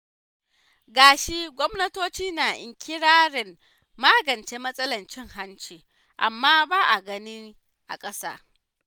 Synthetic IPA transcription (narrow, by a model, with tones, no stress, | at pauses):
ɡaː˨ʃi˦ɡʷɔ˦mnɐ˦toː˦t͡ʃiː˦naː˨ʔɪ̰˨ŋkʲɪ˦ɽaː˦ɾɪ˨mː | aː˦ɡɐ˨nt͡ʃe˦mɐ˦sʼɐ˦lɐ˨nt͡ʃɪ˦˨ŋha˦nt͡ʃiː˨ | ʔa̰˨mːaː˦baː˦ʔa˨ɡɐ˦niː˦ | ʔa̰˨kʼɐ˦sa̰ː˦